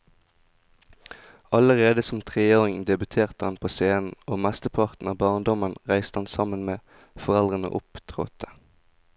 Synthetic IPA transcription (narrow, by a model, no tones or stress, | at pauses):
ɑləʁeːd̪əsɔmt̪ʰʁeːoːʁɪŋd̪ɛbʉt̪ʰeːʁt̪əhɑnpʰoːseːnn̩oːmæst̪əpʰɑʁt̪n̩ɑːbɑːʁnd̪ɔmənʁæɪst̪əhɑnsɑmənmeː | fɔʁɛld̪ʁənə̰ʔʊ̰pt̪ʰʁo̰ːt̪ʰə̥